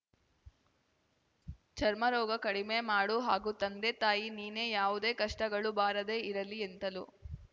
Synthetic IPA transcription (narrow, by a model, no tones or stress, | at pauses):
t͡ʃʰɐɾmɐɾɔːɡɐkɐɽimemaːɽuɦaːɡuːt̪ɐnd̪eːt̪aːjiniːne̞ːjaːʋud̪e̞ːkɐʂʈɐɡɐɭubaːɾɐd̪e̞ːiɾɐlient̪ɐlu